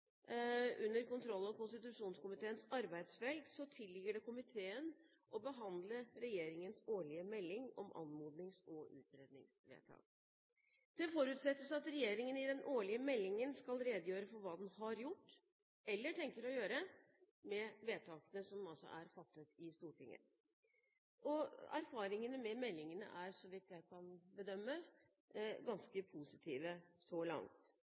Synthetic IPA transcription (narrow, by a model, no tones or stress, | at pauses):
ʔʉnːəɾkʊnt̪ʰɾɔlːɔkʊnst̪ɪt̪ʉʂuːnskʊmɪt̪ʰeːənsɑɾbæɪd̪sfɛld̪sɔt̪ʰɪlːɪɡəɖɛkʊmɪt̪ʰeːən | ʔɔbəɦɑnd̪ləɾɛjeːɾɪŋənsoːɭɪəmɛlːɪŋɔ̰mʔɑ̰nmuːd̪nɪŋsɔʔʉ̰ːt̪̚ɾeːd̪nɪ̰ŋsʋḛːt̪ʰɑ̰ːk | d̪̥ɛfɔɾʉːt̪sɛt̪ːəsɑt̪ɾɛjeːɾɪŋənɪd̪ɛnʔoːɭɪəmɛlːɪŋənskɑlɾeːd̪əjøːɾəfɔɾʋɑːd̪ɛnhɑɾjʊʈː | ɛlːəʈʰɛŋkəɾɔjøːɾə | mɛʋeːt̪ʰɑːkənəsɔmɑlsɔ̰ʔæɾfɑt̪ːət̪ɪst̪uːʈʰɪŋːə̰ | ɔæ̰ɾfɑːɾɪŋənəmɛmɛlːɪŋənə̰ʔæɾsɔʋɪt̪ːjæɪkʰɑnbəd̪œmːə | ɡɑnskəpʰusɪt̪ʰiːʋəsɔlɑ̰ŋt̪